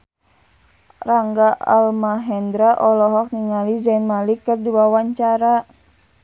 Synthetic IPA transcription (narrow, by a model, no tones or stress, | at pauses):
raŋɡaa̰lmaɦɛnd̪ɾaʔɔlɔɦɔk̚niŋalid͡ʒanmalikɨrduwawaɲt͡ʃaɾa